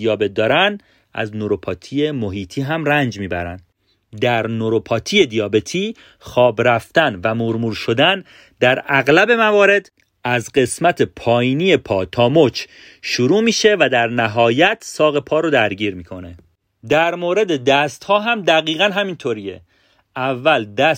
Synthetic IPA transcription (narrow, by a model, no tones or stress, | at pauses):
ijɒːbet̪̚d̪ɒːɾænd | ʔæ̰znoɾopʰɒːt̪ʰie̞moɦiːt̪ʰiːɦæmrænd͡ʒmiːbæ̰ɾæ̰nd̪ | d̪æɾnoɾopʰɒːt̪ʰije̞d̪ijɒːbe̞t̪ʰiː | xɒːbɾæft̪ænvæmuɾmuːɾʃo̞d̪æn | d̪æɾæɣlæbe̞mævɒːɾe̞d̪ | æzɢe̞smæt̪ʰe̞pʰɒːjiːniːepʰɒːt̪ʰɒːmot͡ʃʰ | ʃuɾuːmiːʃe̞væd̪æɾnæɦɒːjæt̪ʰsɒːɣe̞pʰɒːɾod̪æɾɟiːɾmiːkʰo̞ne̞ | d̪æɾmoːɾe̞d̪e̞d̪æst̪hɒːɦæmd̪æɣiːɣænɦæmint̪ʰoɾijḛ | ʔævːæld̪æ